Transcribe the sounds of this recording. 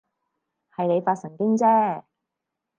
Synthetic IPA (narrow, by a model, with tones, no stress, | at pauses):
hɐ˨jne˨˧jfaː˧t̚sɐ˨˩ŋkɪ˥ŋt͡sɛː˥